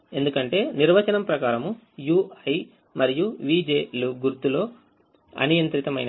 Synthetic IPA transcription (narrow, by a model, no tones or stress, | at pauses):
e̞nd̪ukɐɳʈe̞ːniɾʋɐt͡ʃɐnɐmpɾɐkaːɾɐmujuːɐj | mɐɾijuʋiːd͡ʒeːluɡuɾt̪ulo̞ː | ɐ̰nijɐnt̪ɾit̪ɐmɐjn